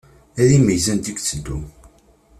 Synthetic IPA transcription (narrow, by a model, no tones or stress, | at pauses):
æðimijzænd̪ikt͡sːəd̪ːu